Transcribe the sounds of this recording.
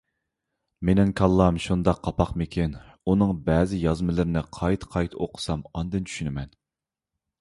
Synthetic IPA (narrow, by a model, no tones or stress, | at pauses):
menɪŋkʰɑlˠːɑmʃund̪ɑqʰːɑpɑqmɪkʲʰin | unɨŋbɛːzɪjɑzmɨlˠɨɾnɪqʰɑjt̪ʰqʰɑjt̪ʰoqʰə̥sɑmɑnd̪ɨnt͡ʃʰy̥ʃynɪmɛn